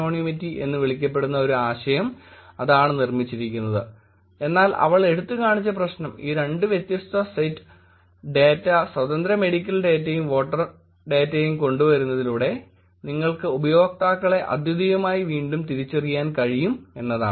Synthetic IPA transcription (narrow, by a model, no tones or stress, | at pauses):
oːɳimitːiʔe̞̰nːɨʋiɭikʲːɐp̬ːe̞ɽunːɐo̞ɾuaːɕɐjɐmɐðaːɳɨnirmit͡ɕːiɾikʲːunːɐðɨ | e̞nːaːlɐ̰ʋɐɭe̞ɽut̪ːɨkaːɳit͡ɕːɐp̬rɐɕnɐmiːɾe̞ɳɖɨʋjet̪jɐst̪ɐsɐjtː | ɖeːtːɐswɐd̪ɐnd̪ɾɐme̞ɽikʲːɐlɖe̞ːtːɐjumʋo̞ːʈːɐr | ɖe̞ːtːɐjumko̞ɳɖuʋɐɾunːɐðiluːɽe̞ | niŋːɐɭkɨubɐjo̞ːk̚t̪aːkːɐɭe̞ʔɐ̰d̪jɐd̪ijɐmaːjiʋiːɳɖumt̪iɾit͡ɕːɐrijaːnkɐɻijume̞nːɐða̰ːɳ